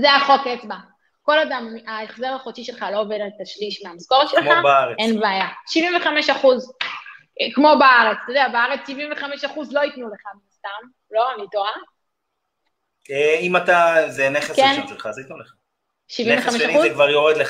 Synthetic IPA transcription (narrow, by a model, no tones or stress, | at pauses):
zeaχoketba | ko̞lad̪amiaeχzeʁaχot͡ʃiʃe̞lχalo̞ovedalt̪aʃliʃmeamasko̞ʁetʃelχabʁenbeajaʃiviɱveχame̞ʃaχuz | kmo̞baaʁet͡st̪od̪eabeaʁet͡sʃiviɱveχameʃaχuzlo̞itnuleχaminast̪am | lo̞amlitoʁa | eimat̪azeneχeskenʃiʃelχazait̪uleχa | ʃivimveχaeʃʃaniuzkvaʁjoʁed̪le